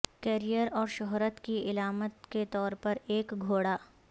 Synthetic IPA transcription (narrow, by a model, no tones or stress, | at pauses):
kɛːɾijəɾɔːɾʃʊɦɾət̪kiɪlaːmət̪ket̪ɔːɾpɐɾeːkɡʱoːɽaː